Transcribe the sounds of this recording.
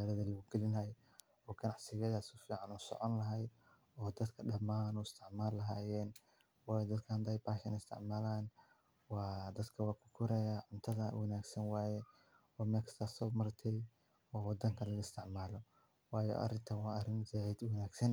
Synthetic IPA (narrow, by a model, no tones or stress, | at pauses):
aːlɐðɐlɐɣuɡɛlɪnɐj | ɔːɡɐnɑʕsɪɣɐðasʊfiːʕɑnɔːsɔ̰ʕɔnlɐɦɐj | ɔːd̪ɐd̪kʰɐɖɐmaːnɔɪst̪ʰɪʕmaːlːɐɦaːjɛːn | wɑːjɔd̪ɐd̪kʰɐnd̪ɐjbaːʃɐnɪst̪ʰɪ̰ʕmaːlaːn | wɑːd̪ɐd̪kʰɐwɑːkʰʊ̥kʰʊɾɛjaːʕʊnt̪ʰɐðɐwʔɐnaːɡsɐnwaːjɛ | ɔːmɛkʰɐ̥st̪ʰaːsɔːmɐrt̪ʰɛj | ɔːwɑd̪ɐŋkʰɐlɐɣɐɪst̪ʰɪʕmaːlɔ | wɑːjɔ̰ʔɐ̰ɾɪnt̪ʰɐwɑɐrɪnzad̪wɐnaːɡsɐn